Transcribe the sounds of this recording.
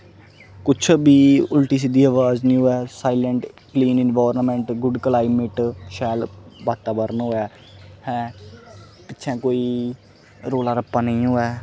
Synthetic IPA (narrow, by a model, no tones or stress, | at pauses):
kʊt͡ʃʰbiːʊlʈiːs̬id̪iːəʋaːznĩːoːɛːsaːiləɳʈkliːnɪnʋaːɾnmɛ̃ɳʈɡʊɖklaːɪmɪʈʃɛːlbaːt̪aːbəɾnɦoːɛː | hɛ̃ː | pɪtːt͡ʃʰɛ̃ːkoːiː | ɾoːlaːɾəpːãːnəĩːɦoːɛː